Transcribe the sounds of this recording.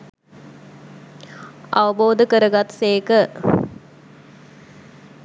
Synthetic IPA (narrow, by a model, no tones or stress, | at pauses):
ɐʋəboːd̪əkəɾəɡat̪seːkə